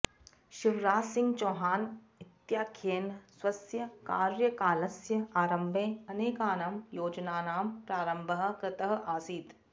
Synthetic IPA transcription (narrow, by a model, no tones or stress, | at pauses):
ʃɪʋɾaːsɪ̃ŋɡt͡ʃoːɦaːn | ɪt̪jaːkʰeːnswɐsjɐka̰ːɾjəkaːlɐsjɐaːɾɐmbʱẽːɐneːkaːnɐmjoːd͡ʒnaːnaːmpɾaːɾəmbʱəɦkɾɪt̪əɦʔaːsiːd̪